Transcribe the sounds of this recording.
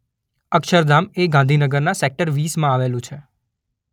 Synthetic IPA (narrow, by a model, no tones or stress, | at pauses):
əkʃəɾd̪ʱameɡãnd̪ʱinəɡəɾnasek̚ʈəɾʋismãaʋelũt͡ʃʰe